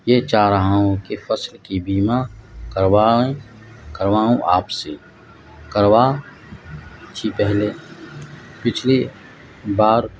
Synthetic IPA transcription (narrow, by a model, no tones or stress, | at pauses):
jet͡ʃaːɾəɦaõkefəslkibiːmakəɾwaːẽ | kəɾʋaːõʔaːpse | kəɾwaː | t̪ʰipɛɦle | pɪt͡ʃʰle | baːɾ